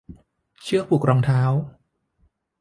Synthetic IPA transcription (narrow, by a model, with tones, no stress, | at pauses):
t͡ɕʰɯ˥˩əpʰuː˨˩k̚ɾɔː˧ŋt̪ʰaː˦˥w